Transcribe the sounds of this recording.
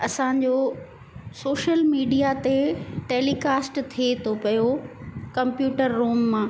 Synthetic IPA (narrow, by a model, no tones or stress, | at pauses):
ɐsãːɲ̆d͡ʑoː | soːʃəlmiːɖijat̪eʈeːlikaːsʈt̪ʰiet̪ʰopɐjokɐ̃mpjuːʈəɾːuːmːãː